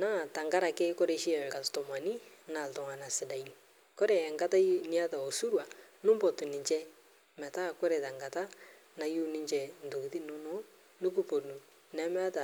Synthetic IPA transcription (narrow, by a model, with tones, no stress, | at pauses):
na˦˨ta˨ŋɡa˦ɾa˨ke˦kɔ˦ɾe˦ʃi˦ɛ˨ka˨stɔ˨ma˨ni˦na˨ltɔ˨ŋa˨na˨sɪ˨da˨i˦n | kɔ˦ɾe˨ŋɡa˦ta˦nɪ˦a˦ta˨o˨su˦ɾwa˨nʊ˦mbɔ˨tu˨nɪ˨ɲt͡ʃɛ˦ | mɛ˨ta˦ko˦ɾe˨ta˨ŋɡa˨ta˦ | na˨ju˦nɪ˦ɲt͡ʃɛ˨n̩˨do˨ti˦nʊ˦no˦ | nʊ˦ku˦po˨nu˨ | nɛ˦mɛ˦a˦ta˨